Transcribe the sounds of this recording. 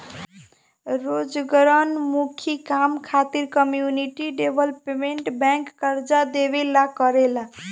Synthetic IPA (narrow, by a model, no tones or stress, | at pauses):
ɾod͡ʒɡəɾənmukʰikamkʰat̪iɾkəmjuniʈiɖebʱəlpemeɳʈbɛ̃ŋkːəɾd͡ʒad̪ebelakəɾela